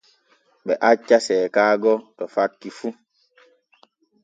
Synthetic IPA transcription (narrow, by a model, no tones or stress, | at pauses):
ɓɛʔat͡ʃːasɛːkaːɡɔtɔfat̚kifu